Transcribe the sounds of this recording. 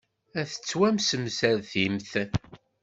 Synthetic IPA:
æθə̥t͡sːwæmsəmsæɾθimθ

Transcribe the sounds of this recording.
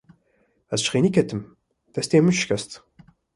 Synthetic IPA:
æzʃχinikæt̪ːəm | ðæst̪eməʃkæst̪

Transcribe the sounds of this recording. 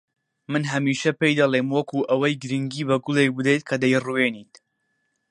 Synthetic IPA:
mɨnɦɐmiːʃɐpejd̪ɐlˠeːmwɐkuʔɐwɐjɡɨɾɨŋɡiːβɐɡʊlˠek̚bɨd̪et̪̚kʰɐd̪ɐjruweːniːt̪

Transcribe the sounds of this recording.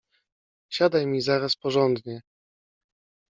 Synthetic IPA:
ɕad̪ajmʲizaɾaspɔʐɔnd̪ɲɛ

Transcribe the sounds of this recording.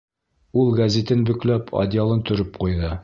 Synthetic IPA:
ulˠɡɐzʲit̪ɘnbɵ̆klæpʰɒ̰d̪ʲialˠɤnt̪ʰɵ̆ɾɘp̚qujðɤ

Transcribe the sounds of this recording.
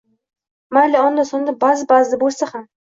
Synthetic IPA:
malʲeɒnd̪asɒnd̪abazbazd̪abolsaham

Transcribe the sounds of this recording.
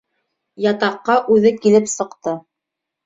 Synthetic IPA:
jɑt̪ɑqːɑʔʉðɘkilɘpsɤ̆qt̪ɤ

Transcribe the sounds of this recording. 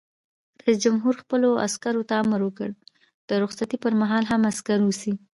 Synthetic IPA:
ɾaisd͡ʒamɦuɾxpəloa̰skaɾot̪aaməɾwəkəɽ | d̪̥əɾʊxsat̪ipəɾmaɦɑlɦamaskaɾwusi

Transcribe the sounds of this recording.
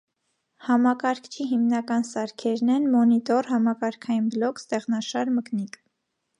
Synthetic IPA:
hɑmɑkɑɾkʰt͡ʃʰiɦimnɑkɑnsɑɾkʰɛɾnɛnmɔnit̪ɔɾhɑmɑkɑɾkʰɑjinblɔkst̪ɛʁnɑʃɑɾməknik

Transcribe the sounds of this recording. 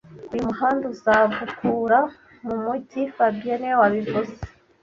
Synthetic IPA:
wujumuhaːnduzavukʰuːɾa | mumuɟifabijenewaβivose̥

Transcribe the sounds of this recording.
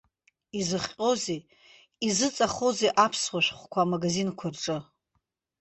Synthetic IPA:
izɨχʲqʲʼoze | izɨt͡sʼaχozeʔapʰswaʃʷᶣχʷkʷʰamaɡazinkʷʰarʈ͡ʂʼɨ

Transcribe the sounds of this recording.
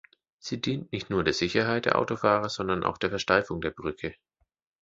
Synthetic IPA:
z̥iːdiːntnɪçtnuːɐdeːɐz̥ɪçɐɦaɪt̚d̥ḛːɐʔa̰ʊtofaːʁɐz̥ɔndɐnʔa̰ʊxd̥eːɐfɛɐʃtaɪfʊŋdeːɐbʁʏkʰə

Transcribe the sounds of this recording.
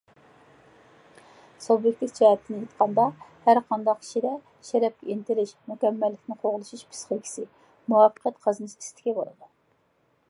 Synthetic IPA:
subjek̚ʲt̪ʰɪk̚ʲt͡ʃɑːht̪ʰɪnɪjet̪qʰɑnd̪ɑhæɾqʰɑnd̪ɑqkʲʰʃid̪ɛ | ʃɛɾɛp̚kʲɛint̪ɪlɪʃmukʲɛmːɛlːɪk̚ʲnɪqʰoʁlˠɨʃiʃpʰɨ̥sχəkʲʰi̥sɪ | muɑfːə̥qʰɛt̪̚qʰɑzɨnɨʃʰi̥st̪ʰɪ̥kʲɛbo̰lˠɨ̰d̪ɨ

